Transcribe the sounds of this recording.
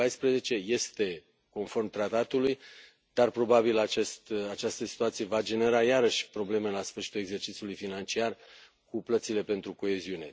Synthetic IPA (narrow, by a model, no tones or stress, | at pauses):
ajspɾeze̞t͡ʃe̞je̞st̪e̞ | ko̞nfo̞rmt̪ɾat̪at̪uluj | d̪̥arpɾo̞babilat͡ʃest̪at͡ʃast̪əsi̥t̪uat̪sije̞vad͡ʒe̞ne̞ɾajaɾəʃʲpɾo̞ble̞me̞lasfɨrʃi̥t̪ule̞ɡze̞rt͡ʃit̪siulujfinant͡ʃiar | kuplət̪sile̞pe̞nt̪ɾuko̞e̞ziune̞̰